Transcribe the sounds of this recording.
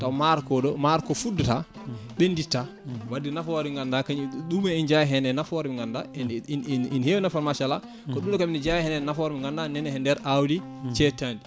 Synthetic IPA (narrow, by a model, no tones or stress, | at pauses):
tawmaɾkɔɗɔmaɾkɔfudːta | ɓɛnditːa | wadːinafɔɾiŋɡandakaɲiɗumɛind͡ʒajɦɛnɛnafɔɾmiŋɡanda̰nninhewnafaɾmaʃala | kɔɗumɗɔkaminid͡ʒajɛhɛnɛnafɔɾmiŋɡandanɛnɛhɛndɛɾʔawdi | t͡ʃɛtandi